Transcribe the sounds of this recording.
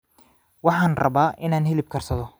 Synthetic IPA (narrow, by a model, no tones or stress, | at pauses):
wɑħɑːnrɐ̰βaːʔɪnaːnɦɛlɪb̚kʰɐrsɐðɔ